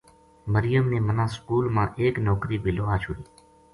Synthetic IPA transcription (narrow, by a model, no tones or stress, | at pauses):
məɾɪjəmnemənãskuːlmãʔeːknɔːkɾiːbɪloːɦat͡ʃʰʊɽiː